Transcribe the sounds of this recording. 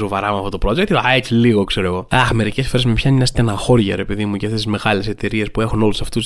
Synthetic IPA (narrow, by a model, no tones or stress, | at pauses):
so̞vɐɾɐmɐft̪ot̪pɾo̞d͡ʒekt̪aet͡siliɣokse̞ɾoeɣo̞ɐxme̞ɾicesfo̞ɾe̞zmepçɐninɐst̪enɐxo̞ɾʝɐɾepiðimuʝɐft̪eizme̞ɣɐle̞se̞t̪e̞ɾie̞spue̞xuno̞lusɐft̪us